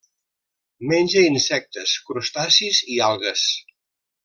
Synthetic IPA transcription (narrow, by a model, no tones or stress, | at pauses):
menʲd͡ʒəinsɛk̚t̪əskɾust̪asizialˠɣəs